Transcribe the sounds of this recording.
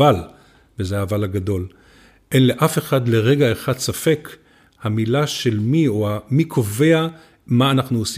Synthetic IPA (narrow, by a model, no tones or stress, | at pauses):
al | vezeavalaɡado̞l | ʔe̞nle̞ʔafe̞χadle̞ʁe̞ɡaeχadsafe̞k | hamilaʃelmioamikʰove̞a | maːnaχnuosi